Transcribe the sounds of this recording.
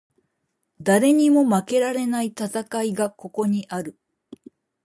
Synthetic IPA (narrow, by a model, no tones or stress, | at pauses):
d̪aɾe̞ɲ̟imo̞make̞ɾaɾe̞nait̪at̪akaiɡako̞ko̞ɲ̟iʔaɾɯ̟